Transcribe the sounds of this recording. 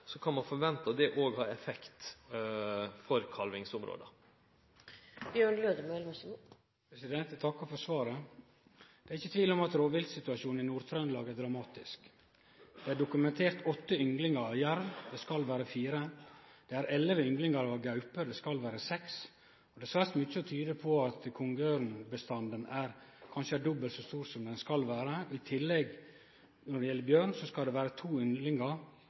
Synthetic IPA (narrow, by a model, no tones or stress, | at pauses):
sɔkʰɑnmɑnfɔɾʋɛnt̪əd̪ɛʔoːɡhɑːɾɛfɛkt̪ | fɔɾkʰɑlʋɪŋsʊmɾo̰ːd̪ə̰ | bjøːɳløːd̪əmœlmsu | pʰɾɛsɪd̪ɛnt̪t̪ʰɑkːɔfɔsʋɑːɾə | d̪̥ɛːæɾɪçːət̪ʰʋiːlɔmɑt̪ɾoːʋɪld̪sɪt̪ʉɑʃuːnɪnuːɾt̪ʰɾɑnd̪lɑːɡəæɾd̪ɾɑmɑːt̪ɪsk | d̪̥ɛæɖʊkʉmɛnt̪ʰeːɾt̪ɔt̪ːəʏŋɡlɪŋəɾɑjæɾʋd̪ɛskɑlʋæːɾəfiːɾəd̪̥ɛæɾɛləʋəʏŋɡlɪŋɑɾɑɡɑʉpəd̪ɛskɑlʋæːɾəsɛks | ɔd̪ɛsʋæɾsmʏt͡ʃːəɔt̪ʰyːd̪əpʰɔɑt̪kʰʊŋɡøːɾnbəst̪ɑnd̪ənæɾkʰɑnʃəæɖɔbəlt̪sɔst̪uːɾsɔmd̪ɛnskɑlʋæːɾəɪt̪ʰɪlːɛɡ | nɔɖɛjɛlːəbjøːɳsɔskɑld̪ɛʋæːɾət̪ʰuːʏŋɡlɪŋɑ